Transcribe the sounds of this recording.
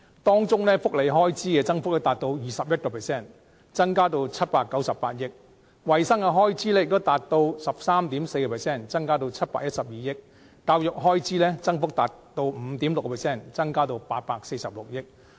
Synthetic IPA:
t̪ɔː˥ŋt͡sʊ˥ŋlɛː˥fʊ˥k̚le˨jɦɔː˥jt͡siː˥kɛ˧t͡sɐ˥ŋfʊ˥k̚lɛ˥t̪aː˨t̪̚o˧wjiː˨sɐ˨p̚jɐ˥t̚kɔː˧pʰɛː˨˩sɛː˥˩n | t͡sɐ˥ŋkaː˥t̪o˧wt͡sʰɐ˥t̚paː˧kːɐ˨˥wsɐ˨pːaː˧t̚jɪ˥k̚ | wɐ˨jsɐ˥ŋkɛ˧ɦɔː˥jt͡siː˥lɛː˥jk̚t̪o˥wt̪aː˨t̚t̪o˧wsɐ˨p̚saː˥mt̪iː˨˥mse˧jkɔː˧pʰɛː˨˩sɛː˥˩nt͡sɐ˥ŋkaː˥t̪o˧wt͡sʰɐ˥t̚paː˧k̚jɐ˥t̚sɐ˨p̚jiː˨jɪ˥k̚ | taː˧wjʊ˨k̚ɦɔː˥jt͡siː˥lɛː˥t͡sɐ˥ŋfʊ˥k̚t̪aː˨tt̪o˧wm̩˨˧t̪iː˨˥mlʊ˨kːɔ˧pʰɛː˨˩sɛː˥˩nt͡sɐ˥ŋkaː˥t̪o˧wpaː˧t̚paː˧k̚se˧jsɐ˨p̚lʊ˨k̚jɪ˥k̚

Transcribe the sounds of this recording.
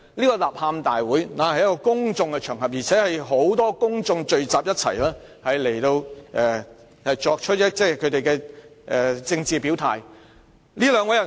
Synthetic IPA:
liː˥kɔː˧laː˨p̚haː˧mt̪aː˨jwuː˨˥jnaː˨˥hɐ˨jɐ˥kɔː˧kʊ˥ŋt͡sʊ˧ŋkɛ˧t͡ʃʰœː˨˩ŋɦɐ˨p̚jiː˨t͡sʰɛː˨˥hɐ˨jɦo˨˥wt̪ɔː˥kʊ˥ŋt͡sʊ˧ŋt͡ʃɵ˧ɥt͡saː˨p̚jɐ˥t̚t͡sʰɐ̰˨˩jlɛː˥ | hɐ˨jle˨˩jt̪o˧wʔɛː˨˧ | hɐ˨jt͡sɔː˧k̚t͡ʃʰt̚jɐ˥t͡sɛː˥˩kʰɵ˨˧t̪e˨jkɛː˧ʔɛː˨t͡sɪ˧ŋt͡siː˨pi˨˥wt̪ʰa̰ː˨˩j | liː˥lœː˨˧ŋwɐ˨˥jɐ˨˩

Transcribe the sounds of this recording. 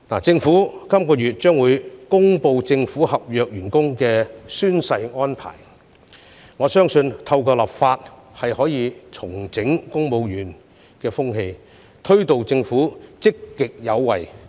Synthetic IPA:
naː˨˩t͡sɪ˧ŋfuː˨˥kɐ˥mkɔː˧jyː˨t̚t͡ʃœː˥ŋwuː˨˧jkʊ˥ŋpo˧wt͡sɪ˧ŋfuː˨˥hɐ˨p̚jœː˨k̚jyː˨˩nkʊ˥ŋkɛː˧syː˥nsɐ˧jŋɔː˥npʰa̰ː˨˩j | ŋɔː˨˧sœː˥ŋsɵ˧nt̪ʰɐ˧wkɔː˧laː˨˩p̚faː˧t̚hɐ˨jhɔː˨˥jiː˨˧t͡sʰʊ˨˩ŋt͡sɪ˨˥ŋkʊ˥ŋpo˧wjyː˨˩n | kɛː˧fʊ˥ŋɦe˧j | t̪ʰɵ˥ɥt̪o˨wt͡sɪ˧ŋfuː˨˥t͡sɪ˥kːɪ˨k̚jɐ˨˧wwɐ˨j

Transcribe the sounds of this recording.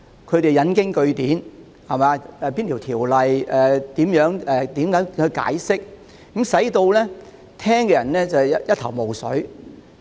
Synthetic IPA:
kʰɵ˨˧ɥt̪e˨jɐ˨˧nkɪ˥ŋkɵ˧ɥt̪iː˨˥n | hɐ˨˩maː˨˧ɛː˨˧piː˥nt̪ʰi˨˩wt̪ʰiː˨˩wlɐ˨jɛː˨t̪iː˨˥mjœː˨˥ŋɛː˨t̪iː˨˥mkaː˨˥jhɵ˨˧jka̰ː˨˥jsɪ˥k̚ | kːɐ˨˥msɐ˨˥jt̪o˧wlɛː˥ | t̪ʰɛː˥ŋkɛː˧jɐ˨˩nlɛː˥t͡sɐ˨jɐ˥t̪ʰɐ˨˩wmo˨wsɵ̰˨˥ɥ

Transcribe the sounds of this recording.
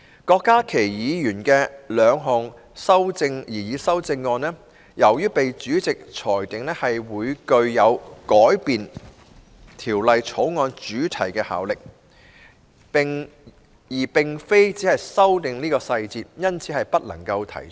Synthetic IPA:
kɔː˧kːaː˥kʰe˨˩jjiː˨˧jyː˨˩nkɛː˧lœː˨˧ŋɦɔː˨ŋ | sɐ˥wt͡sɪ˧ŋjiː˨˩jiː˨˧sɐ˥wt͡sɪ˧ŋːɔː˧nlɛː˥ | jʔɐ˨˩wjyː˥pe˨jt͡ʃyː˨˥t͡sɪ˨k̚t͡ʃʰɔː˨˩jt̪ɪ˨ŋlɛː˥hɐ˨jwuː˨˧jkɵ˧ɥjɐ˨˧wkɔː˨˥jpiː˨n | t̪ʰiː˨˩wlɐ˨jt͡sʰo˨˥wŋɔː˧nt͡ʃyː˨˥t̪ʰɐ˨˩jkɛː˧ha̰ː˨˥wlɪ˨k̚ | pɪ˨ŋ | jiː˨˩pɪ˨ŋfe˥jt͡siː˨˥hɐ˨jsɐ˥wt̪ɪ˨ŋniː˥kɔː˧sɐ˧jt͡siː˧p̚jɐ˥nt͡sʰiː˨˥hɐ˨jpɐ˥t̚lɐ̰˨˩ŋkɐ˧wt̪ʰɐ̰˨˩jt͡ʃʰ

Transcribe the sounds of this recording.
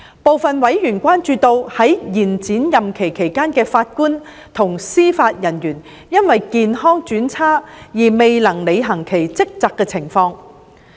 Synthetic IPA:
po˨wfɐ˨nwɐ˨˥jjyː˨˩nkʷaː˥nt͡ʃyː˧t̪o˧whɐ˨˥jjiː˨˩nt͡siː˨˥njɐ˨mkʰe˨˩jkʰe˨˩jkaː˥nkɛː˧faː˧t̚kuː˥n | t̪ʰʊ˨˩ŋsiː˥faː˧t̚jɐ˨˩njyː˨˩n | jɐ˥nwɐ˨jkiː˨˧nɦɔː˥ŋt͡ʃyː˨˥nt͡sʰaː˥jiː˨˩me˨jlɐ˨˩ŋle˨˧jɦɐ˨˩ŋkʰe˨˩jt͡sɪ˥k̚t͡saː˨˧kːɛ˧t͡sʰɪ˨˩ŋfɔː˧ŋ

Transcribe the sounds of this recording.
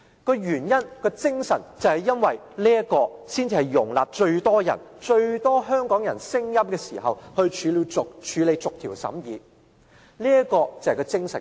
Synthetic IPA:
kɔː˧jyː˨˩njɐ˥nkɔː˧t͡sɪ˥ŋsɐ˨˩nt͡sɐ˨whɐ˨jːɐ˥nwɐ˨j | liː˥ɐ˥kɔː˧siː˥nt͡siː˧hɐ˨jːʊ˨˩ŋlaː˨p̚t͡ʃɵ˧ɥt̪ɔː˥jɐ̰˨˩nt͡ʃɵ˧ɥt̪ɔː˥ɦœː˥ŋkɔː˨˥ŋjɐ̰˨˩nsɪ˥ŋjɐ˥mkɛː˧sḭː˨˩ɦɐ˨whɵ˧ɥt͡ʃʰyː˨˧li˧ʊ˨t͡ʃʰyː˨˧le˨˧jt͡sʊ˨k̚t̪ʰiː˨˩wsɐ̰˨˥mjiː˨˧ | liː˥ɐ˥kɔː˧t͡sɐ˨hɐ˨kɔ˧t͡sɪ˥ŋsɐ˨˩n

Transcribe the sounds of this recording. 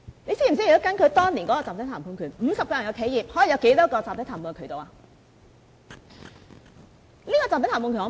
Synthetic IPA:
ne˧si˥m̩˨˩si˥˨˩o˥kɐ˧˥nkʰɵ˨˧ɥt̪ɔː˥ŋliː˨˩nkɔ˨˥kɔː˧t͡saː˨t̪ːt̪ʰaː˨˩pʰuː˨˩nkʰyː˨˩nm̩ː˨˧sɐ˨p̚kɔː˧jɐ˨˩jkʰe˨˥jiː˨˩p̚hɔ˨˥ji˨jɐ˨˧wke˨˥jt̪ɔː˥kɔː˧t͡saː˨p̚t̪ːt̪ʰa˨˩puː˨˧ŋ˧˩kʰːt̪o˨waː˧ | liː˥kɔ˧t͡saː˨mst̪ʰːmpu˧ky˨˩ŋɔ˧

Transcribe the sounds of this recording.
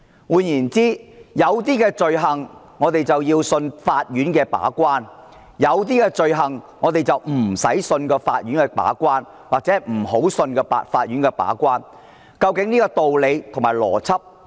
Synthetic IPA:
wuː˨˧njiː˨˩nt͡siː˥jɐ˨˧wt̪̬iː˥kɛː˧t͡sɵ˨ɥɦɐ˨˩ŋː | ɔː˨˧t̪e˨jt͡sɐ˨wjiː˧wsɵ˧nfaː˧t̚jyː˨˥nkɛː˧pa̰ː˨˥kʷwaː˥n | jɐ˨˧wt̪̬iː˥kɛː˧t͡sɵ˨ɥɦɐ˨˩ŋŋɔː˨˧t̪e˨jt͡sɐ˨wm̩˨˩sɐ̰˨˥jsɵ˧nkɔː˧faː˧t̚jy˨˥nkɛː˧pa̰ː˨˥kʷaː˥n | waː˨k̚t͡sɛ˨˥ɛ˨m̩˨˩ho˨˥wsɵ˧nkɛː˧pa̰˧faː˧t̚jy˨˥nkɛː˧pa̰ː˨˥kwaː˥n | kɐ˧wkɪ˨˥ŋniː˥kɔː˧t̪o˨wle˨˧jt̪ʰʊ˨˩ŋmaː˨˩lɔ̰ː˨˩t͡sʰɐ˥p̚

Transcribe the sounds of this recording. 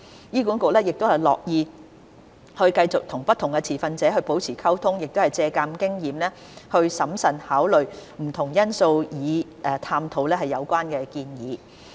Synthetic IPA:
jiː˥kuː˨˥nkʊ˨k̚lɛː˥jɪ˨k̚t̪ʊ˥hɐ˨˩jlɔ̰ː˨k̚jiː˨˧ | hɵ˧ɥkɐ˧jt͡sʊ˨k̚t̪ʰʊ˨˩ŋpɐ˥t̪ʰːʊ˨˩ŋkɛ˧t͡sʰiː˨˩fɐ˧nt͡sɛː˨˥ɦɵ˧ɥpo˨˥wt͡sʰiː˨˩kʰɐ˥wt̪ʰʊ˥ŋjɪ˨k̚t̪o˥whɐ˨jt͡sɛː˧kaː˧mkɪ˥ŋjiː˨mlɛː˥ | hɵ˧ɥsɐ˨˥msɐ˨nhaː˨˥wlɵ˨˩ɥm̩˨˩t̪ʰʊ˨˩ŋjɐ˥nso˧wjiː˨˧ʔɛː˨t̪ʰaː˧mt̪ʰo˨˧wlɛː˥ɦɐ˨jːɐ˨˧wkʷaː˥nkɛː˧kiː˧njiː˨˧

